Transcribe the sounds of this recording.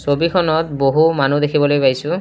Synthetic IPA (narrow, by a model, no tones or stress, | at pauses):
sobikʰɔnɔt̚boɦumanud̪ekʰibɔlojpajsʊ̃